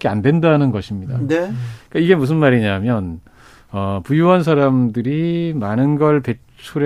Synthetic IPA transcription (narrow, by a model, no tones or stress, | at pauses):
k͈ea̰ndwe̞ndanɯnɡʌɕʰimɲida̰nk͈aiɡe̞mus̬ʰɯnmaɾiɲamjʌn | ʌpujuwʌnsʰaɾamdɯɾimanɯnɡʌɭpe̞t͡ɕʰuɾ